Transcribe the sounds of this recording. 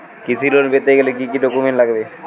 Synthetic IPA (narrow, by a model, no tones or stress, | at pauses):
kisʰilonbet̪eɡelekikiɖokumeɳʈlaɡbe